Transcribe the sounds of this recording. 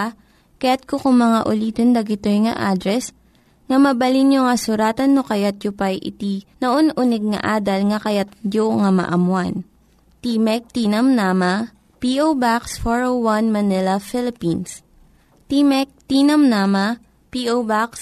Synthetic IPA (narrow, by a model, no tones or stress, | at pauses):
kɐjat̪̚kokʊŋmɐŋaʔʊliːt̪ond̪ɐɡɪt̪ojŋɐ̰ʔaːd̪ɾɛs | ŋɐmɐbɐlinjoŋɐsʊɾaːt̪ɐnːokɐjat̪̚jʊpɐjʔɪ̰t̪inɐʔonʔʊnɛɡ̚ŋɐ̰ʔaːd̪ɐlŋɐkɐjat̪̚d͡ʒoŋɐmɐ̰ʔɐmwan | t̪imɛk̚t̪iːnɐmnamɐ | piʔowbaksfoɹowwanmɐnɪlɐfɪlɪpins | t̪imɛk̚t̪inɐmnaːmɐ | piʔowbaks